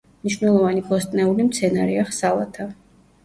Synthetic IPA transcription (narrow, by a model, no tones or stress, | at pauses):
mniʃvnɛlˠɔvanibɔst̪ʼnɛulimt̪sʰɛnaɾɛaχsalˠa̰t̪ʰa